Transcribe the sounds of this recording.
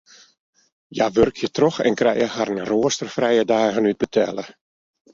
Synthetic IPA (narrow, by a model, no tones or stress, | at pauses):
jaʋørkʰjətrɔxɛ̰nkrɛ̰jəhaɾənroːəstərfrɛjədaːɣənyd̚bətʰɛlə